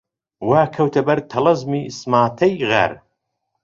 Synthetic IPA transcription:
waːkʰɐwt̪ʰɐbɐɾt̪ʰɐlɐzmiːsmaːt̪ʰɐjɣa̰ɾ

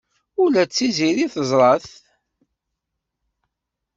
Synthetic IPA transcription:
ʊlæt͡sːiziɾiθəzˤɾˤɑθ

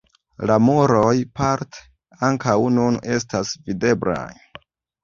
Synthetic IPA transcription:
lamoɾojpaɾte̥ | aŋkawnune̞s̬tasvide̞bla̰j

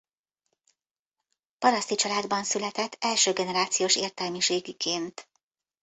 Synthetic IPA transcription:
pɒɾɒst̪it͡ʃɒlaːd̪bɒnsylɛt̪ɛt̪ʰːɛlʃøːɡɛnɛɾaːt̪sijoːʃeːrt̪ɛlmiʃeːɡikʰeːnt̪

